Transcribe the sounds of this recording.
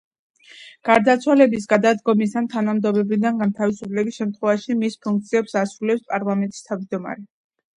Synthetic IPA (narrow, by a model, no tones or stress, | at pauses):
ɡ̥aɾd̪at̪sʰwalɛbis̬ɡad̪ad̪ɡɔmisant̪ʰanamd̪ɔbɛbid̪anɡant̪ʰavisupʰlɛbisʃɛmt̪ʰχwɛvaʃimispʰuŋk̚t̪sʰiɛpsasɾulɛpspʼaɾlˠamɛnt̪ʼi̥st̪ʰavd͡ʒd̪ɔma̰ɾɛ